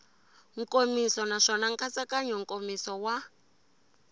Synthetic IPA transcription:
ŋ̩kʼomisɔnaʂɔnaŋ̩kʼat͡sakaɲɔŋ̩kʼomisɔwa

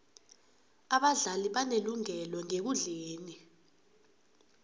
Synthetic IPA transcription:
aɓaɮaliɓaneluŋɛlɔŋek̬uɮeːni

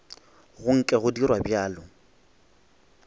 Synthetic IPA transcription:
ɣʊŋ̩kʼɛɣʊdirwabjaːlʊ

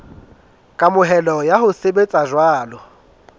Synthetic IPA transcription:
kʼamʊɦɛlɔjaɦʊsebet͡sʼaʒwaːlɔ

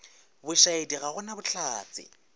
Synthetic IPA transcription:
bʊʃaediɣaɣʊnabʊt͡ɬʰaːt͡sʼɪ̰

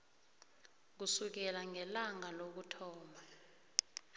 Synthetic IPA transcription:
k̬usuk̬ɛlaŋɛlaŋalok̬utʰɔːma

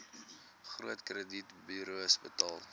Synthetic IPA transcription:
χruətkrəditbyɾuəsbətɑːlˠ

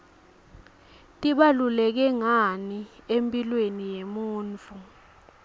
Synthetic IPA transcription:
tʼiɓalulɛk̬ɛŋaniempʼilwenijemuːnt͡fʰʼu

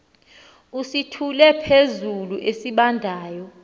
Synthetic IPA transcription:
usitʰulɛpʰezuluʔesiɓandʱaːjɔ

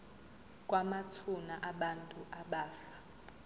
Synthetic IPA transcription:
kʼwamatʰunaʔaɓantʼuʔaɓaːfḁ

